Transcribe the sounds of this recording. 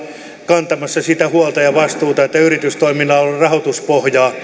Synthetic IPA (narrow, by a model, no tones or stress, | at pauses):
kɑnt̪ɑmɑsːɑsit̪æhuɑlt̪ɑjɑʋɑst̪uːt̪ɑet̪ːæyrit̪yst̪oiminɑːorɑhot̪uspohjɑː